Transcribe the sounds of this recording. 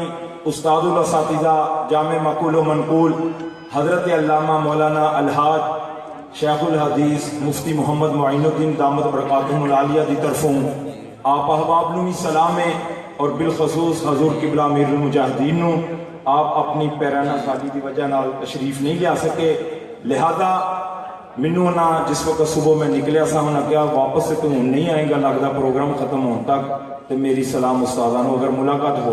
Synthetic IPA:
ʊst̪aːd̪ʊlɐsaːt̪ɪzad͡ʒaːmɪɾmɐkuːlomɐnquːl | hɐzɾət̪eɐlːaːmamɔːlaːnaʔɐlɦaːd͡ʒ̪ | ʃɛːxʊlɦɐd̪iːsmʊft̪imʊɦəmːəd̪mʊəjnod̪ɪnd̪aːmət̪bɾɐkaːt̪ʊmʊlaːlijad̪it̪ɐɾfõ | aːpɐɦbaːbnũisɐlaːmẽ | ɔːɾbɪlxʊsuːsɦɐzuːɾkiblaːmeːɾumʊd͡ʒaːɦɪd̪iːnɦũː | aːpɐpnipɛːɾaːnasaːlid̪iʋɐd͡ʒaɦnaːlt̪ɐʃɾiːfnɐɦĩleaːsɐkẽ | lɪɦaːza | mɪ̃nõnãd͡ʒɪsʋɐkət̪sʊbomẽnɪklejasãːmnak̪jaːʋaːpəsːet̪ʊ̃nɐɦĩaːẽːŋɡalɐɡd̪apɾoːɡɾaːmxɐt̪əmɦoːt̪ak̚ | t̪omeːɾisɐlaːmʊst̪aːzaːnũɐɡəɾmʊlaːkaːt̪ɦoː

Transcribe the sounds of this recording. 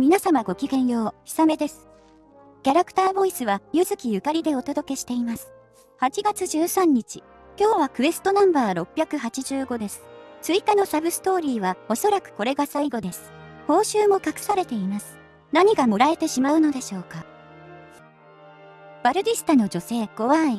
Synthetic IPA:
mʲinasamaɡo̞kʲiɡẽ̞ɰ̃jo̞ːçi̥same̞d̪e̞sɨ̥ | kʲaɾakɯ̟̥t̪aːbo̞isɨβajɯ̟zɨkʲijɯ̟kaɾʲid̪e̞o̞t̪o̞d̪o̞ke̞ɕi̥t̪e̞imasɨ̥ | hat͡ɕiɡat͡sɨʑɨːsãɲ̟ːit͡ɕi | kʲo̞ːβakɯ̟e̞sɨ̥t̪o̞nãmbaːɾo̞pʲːjakɯ̟ɦat͡ɕiʑɨːɡo̞d̪e̞sɨ̥t͡sɨikano̞sabɯ̟sɨ̥t̪o̞ːɾʲiːβao̞so̞ɾakɯ̟̥ko̞ɾe̞ɡasaiɡo̞d̪e̞sɨ̥ho̞ːɕɨːmo̞kakɯ̟̥saɾe̞t̪e̞imasɨ̥ | naɲ̟iɡamoɾae̞t̪e̞ɕimaɯ̟no̞d̪e̞ɕo̞ːka | b̥aɾɯ̟d̪ʲisɨ̥t̪ano̞d͡ʑo̞se̞ːɡ̥o̞βai

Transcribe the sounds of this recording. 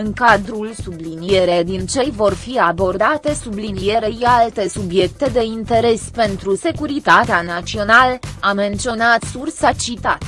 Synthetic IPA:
ɨŋkad̪ɾulsublinije̞ɾed̪int͡ʃe̞jvo̞rfiabo̞rd̪at̪e̞sublinije̞ɾe̞alt̪e̞subje̞k̚t̪e̞d̪e̞int̪e̞ɾe̞spe̞nt̪ɾuse̞kuɾit̪at̪eanat͡ʃio̞nalame̞nt̪sio̞nat̪sursat͡ʃit̪at̪

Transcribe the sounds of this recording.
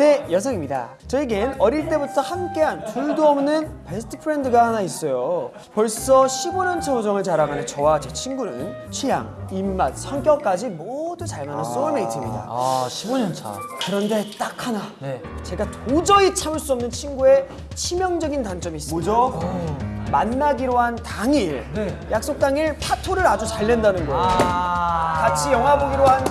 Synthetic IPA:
ne̞jʌs̬ʰʌŋimɲida̰ | t͡ɕʌiɡenʌɾiɭt͈e̞butʰʌhamk͈e̞ɦanpuɭdoʌmnɯnpe̞sʰtʰɯ̥pʰɯɾendɯɡahanais͈ʌjo | pʌɭs͈ʌɕʰiboɲʌnt͡ɕʰeod͡ʑʌŋɯɭt͡ɕaɾaɡanɯnt͡ɕʌwad͡ʑet͡ɕʰinɡuɾɯ̰n | t͡ɕʰija̰ŋimːansʰaŋk͈jʌk͈ad͡ʑimodut͡ɕaɭmanans͈oʌme̞itʰimɲida̰o | kɯɾʌnde̞t͈akʰanan | t͡ɕe̞ɡatod͡ʑʌit͡ɕʰamɯɭs͈uʌmnɯnt͡ɕʰinɡue̞ | t͡ɕʰimjʌŋd͡ʑʌɡintaŋt͡ɕ͈ʌmiːs͈d͡ʑo | manːaɡiɾoɦantaŋiɾjak̚s͈ok̚t͈aŋiɭpʰatʰoɾɯɾad͡ʑut͡ɕaɭːe̞ndanɯnɡʌ | kat͡ɕʰijʌŋɦaboɡiɾoɦan

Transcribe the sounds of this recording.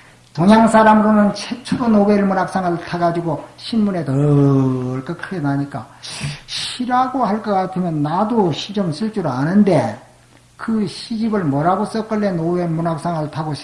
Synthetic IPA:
toɲjaŋsʰaɾamɯɾonɯnt͡ɕʰet͡ɕʰuɾonoweɭmunak̚s͈aŋɯɭtʰaɡad͡ʑiɡoɕʰinmune̞tʌ | ɭk͈ʌkʰɯɡenaɲik͈a | ɕʰiɾaɡohaɭk͈ʌk͈atʰɯmjʌnːadoɕʰid͡ʑʌmsʰɯɭt͡ɕ͈uɾanɯnde̞ | kɯɕʰid͡ʑibɯɭmʌɾaɡos͈ʌk͈ɯɭːenowemunak̚s͈aŋɯɭtʰaɡoɕʰi̥

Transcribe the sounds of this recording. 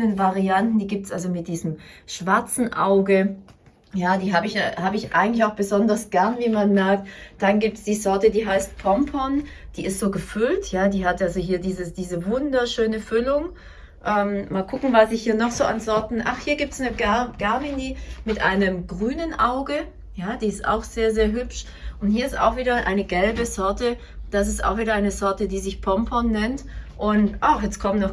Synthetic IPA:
ənvaʁiantn̩diːɡiːp̚tsʔalzomɪt̚d̥iːzəmʃv̥aɐt͡sn̩ʔa̰ʊɡə | jaːdiːɦaːbəɪçhaːbəɪçʔa̰ɪɡŋ̩tlɪçaʊxb̥əzɔndɐsɡ̥ɛɐnviːmanmɛɐk̚td̥anɡiːp̚tsd̥iːzɔɐtədiːɦaɪst̚pʰɔmpʰɔnd̥iːɪstz̥oːɡəfʏltʰjaːdiːɦatʔalzoɦiːɐdiːzəsd̥iːzəvʊndɐʃøːnəfʏlʊŋ | ʔɛːmmaːlkʰʊkŋ̩vasɪçhiːɐnɔχz̥oːʔa̰nzɔɐtn̩ʔa̰χhiːɐɡiːp̚tsnəɡɡ̥aɐminimɪtʔa̰ɪnəmɡʁyːnənʔaʊɡə | jaːd̥iːɪsta̰ʊxz̥eːɐzeːɐɦʏpʃ | ʊnthiːɐɪsta̰ʊxv̥iːɾɐʔa̰ɪnəɡɛlbəzɔɐtə | d̥as̬ɪsta̰ʊxv̥iːdɐʔaɪnəzɔɐtədiːzɪçpʰɔmpʰɔnːɛntʔʊntʔaxjɛt͡stkʰɔmnɔχ

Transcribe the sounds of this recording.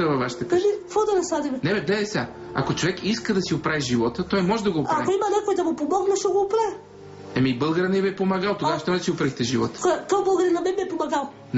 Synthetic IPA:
ɐvɐvaʃi̥t̪əkaʒik̪fɔd̪ɐnɐsad̪ibɛnɛbɛɡ̪lɛd̪ɛsa | a̰kot͡ʃovɛkʰiskəd̪ɐsiopɾaviʒivɔt̪ət̪ɔjmɔʒɛd̪ɐɡoːpaaikoimɐnɛkojd̪ɐmopomɔɡnɐʃoɡoːpɾavi | ɛmibɤlˠɡəɾənɛbɛpomɐɡalˠt̪oɡaʃt̪ɔɐt͡ʃ̪iopɾaixt̪ɛʒivɔ̰t̪kt̪ɔbəlˠɡəɾinɐmɛnbɛpomɐɡalˠ

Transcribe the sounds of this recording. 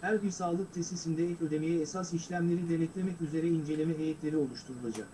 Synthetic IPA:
hæɾbisaːlˠɯk̚t̪ʰɛsisind̪ɛɛcø̞d̪e̞mijɛːsasiʃlʲæmlʲe̞ɾid̪e̞nɛt̪lʲemɛcyze̞ɾɛind͡ʒe̞lʲemɛɦejet̪lʲe̞ɾio̞lˠuʃt̪ʰuɾulˠad͡ʒak

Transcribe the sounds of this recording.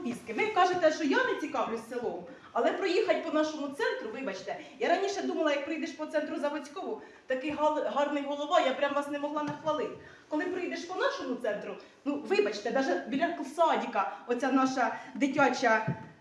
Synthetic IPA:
pʲiskɪʋɪkɑʒet̪ɛʃt͡ʃɔjɑnet͡sʲikɑʋlʲʊsːelˠɔm | ɐlˠɛpɾɔjixɐt̚ʲpɔnɑʃɔmʊt̪sɛnt̪ɾʊʋɪbɐt͡ʃt̪ɛjaɾɑnʲiʃɛd̪umɐlˠɐjɐk̚pɾɪjd̪eʃpɔt̪sɛnt̪ɾʊzɐbɔt͡sʲkɔʋʊ | t̪ɐkɪjɦɑɦɑrnɪjɦɔlˠɔʋɑjapɾʲamʋɑsnɛmɔɦlˠɑnɐxʋɐlˠɪt̪ | kɔlˠɪpɾɪjd̪eʃpɔnɑʃɔmʊt̪sɛnt̪ɾʊ | nuʋɪbɐt͡ʃt̪ɛd̪ɑʒɛbʲilʲɐkˠsɑdʲikɐɔt͡sʲanɑʃɐd̪ɪtʲɑt͡ʃɐ

